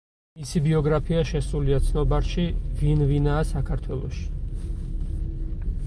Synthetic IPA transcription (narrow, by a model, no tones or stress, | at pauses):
misibiɔɡɾapʰiaʃɛsuliat̪sʰnɔbaɾʃivinvinaːsakʰaɾt̪ʰwɛlˠɔ̰ʃi̥